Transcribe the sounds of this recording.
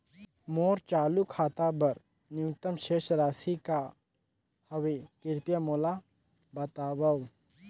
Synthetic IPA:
moːɾt͡ʃaːlukʰaːt̪abɐɾ | njʊkt̪əmʃeːʃɾaːsika | hɐwekɪɾpjamoːla | bɐt̪aːbəw

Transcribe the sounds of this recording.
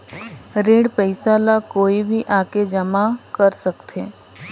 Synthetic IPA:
ɾeːɽpəɪsalakoːibʱiʔaːked͡ʒɐmakəɾsəkt̪ʰeː

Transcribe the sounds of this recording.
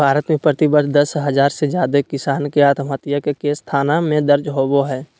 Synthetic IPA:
bʱaːɾət̪mẽpɾət̪ɪbəd̪ʱd̪ɐsɦəzaːɾsed͡ʒjaːd̪ekɪsaːnkeaːt̪ʰmət̪jəkekest̪ʰaːnamẽd̪əɾd͡ʒɦoːboɦɛː

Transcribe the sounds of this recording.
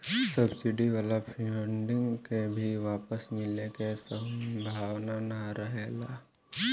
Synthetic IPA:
sɐbsɪɖiʋaːlapʰiəɳɖɪ̃ŋkebʱiʋaːpəsmɪlekesə̃mbʱaːʋnanɐɾəɦelaː

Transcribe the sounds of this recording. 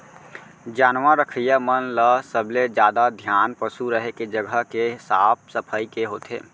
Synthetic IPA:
d͡ʒaːnʋaɾəkʰəjəmənləsəbled͡ʒjaːd̪ad̪ʱjaːnpəsuɾəɦeked͡ʒəɡʱəɦkeɦɪsaːb̚səpʰəikeɦoːt̪ʰḛː

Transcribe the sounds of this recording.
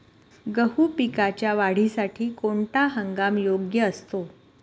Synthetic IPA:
ɡəɦuːpikat͡ɕjaʋaɽ̤isaʈʰiːkoɳʈaɦəŋɡamjoɡjəːst̪o

